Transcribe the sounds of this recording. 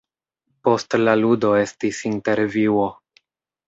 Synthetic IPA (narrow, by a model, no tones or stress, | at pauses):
po̞stlaludo̞e̞stisinte̞ɾviwo̞